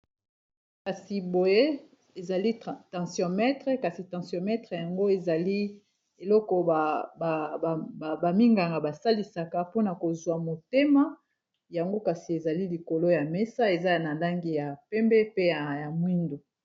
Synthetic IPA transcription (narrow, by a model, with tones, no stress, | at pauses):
ka˨si˨bo˨je˦ | e˨za˨li˦tɑ̃˨sjɔ̃˨mɛ˦tʁe˦ka˨si˨tɑ̃˨sjɔ̃˨mɛ˦tχe˨ja˨ŋɡo˦e˨za˨li˦ | e˨lɔ˦kɔ˨ | ba˨mi˦ŋɡa˨ŋɡa˨ba˨sa˦li˨sa˨ka˦po˦na˨ko˨zwa˨mo˨te˦ma˦ | ja˨ŋɡo˦ka˨si˨e˨za˨li˦li˨ko˨lo˦ja˨mɛ˦sa˦e˨za˦˨na˨la˦ŋɡi˦ja˨pɛ˦mbɛ˦pe˦ja˨ja˨mwi˦ndo˨